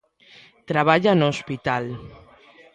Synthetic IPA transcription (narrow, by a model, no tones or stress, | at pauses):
t̪ɾaβ̞aʎanospit̪al